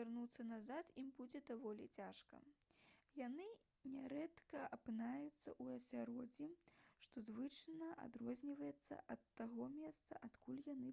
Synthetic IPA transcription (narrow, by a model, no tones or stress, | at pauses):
arnut̪sːɐnazat̪imbud͡zʲɛd̪avɔlʲit͡sʲaʂkɐ̰ | janɨ | nʲɛɾɛt̪kɐɐpɨnajut̪sːɐʔuɐsʲaɾɔd͡zʲiʂt̪ɔzvɨt͡ʂnɐʔa̰d̪rɔzʲnʲivɐjɛt̪sːɐ̰ʔɐt̪ːaɣɔmʲɛst̪sɐ̰ʔat̪kulʲjanɨ